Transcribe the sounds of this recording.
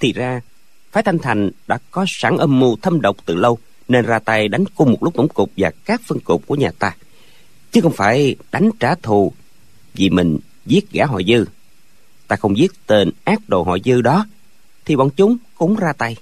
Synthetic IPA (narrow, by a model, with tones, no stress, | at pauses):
t̪ʰḭ˨˩zaː˧ | faː˨˦jt̪ʰa˧ŋ̟t̪ʰa˨˩jŋ̟ɗa̰ː˧˥kɔ˨˦sa˧˩ŋʔəː˧mmu˧t̪ʰə˧mɗə˨˩wk͡p̚t̪ɨ˨˩lə˧w | ne˧nzaː˧t̪a˧jɗa˨˦jŋ̟kʊ˧ŋ͡mmo˨˩t̚lʊ˦˥k͡p̚t̪ʊ̰˧˥˩ŋ͡mkʊ˨˩k͡p̚vaː˨˩kaː˦˥k̚fə˧ŋkʊ˨˩p̚ku˧˩əɲaː˨˩t̪aː˧ | t͡ɕɨ˨˦˥xə˧wŋ͡mfaː˧˩jɗa˨˦jŋ̟t͡ɕaː˧˩t̪ʰu˨˩ | vi˨˩mï˨˩ŋ̟ | zi˦˥ət̚ɣaː˧˥ɦɔ̰˧˨jzɨ˧ | t̪aː˧xə˧wŋ͡mzi˦˥ət̚t̪e˧nʔaː˦˥k̚ɗo̰˧˨˩ɦɔ̰˧˨jzɨ˧ɗɔ˨˦ | t̪ʰi˨˩ɓɔ̰˧˨nt͡ɕʊ˨˦ŋ͡mkʊ̰˧˥ŋ͡mzaː˧t̪a˧j